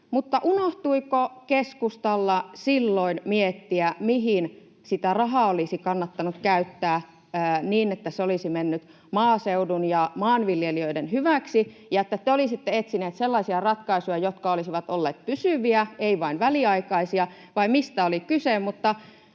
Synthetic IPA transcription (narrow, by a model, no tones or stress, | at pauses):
mut̪ːɑʔunoht̪uikokeskust̪ɑlːɑsilːoinmiet̪ːiæmiɦin | sit̪ærɑɦɑolisikɑnːɑt̪ːɑnukkæyt̪ːæː | niːnet̪ːæseolisimenːyt̪ | mɑːseudunjɑmɑːnʋiljeliøidenɦyʋæksijɑet̪ːæt̪ːeolisit̪ːeet̪sineːt̪selːɑisiɑrɑt̪kɑisujɑjot̪kɑolisiʋɑt̪olːeːt̪̚pysyʋiæeiʋɑinʋæliɑikɑisiɑ | ʋɑimist̪æolikysemmut̪ːɑ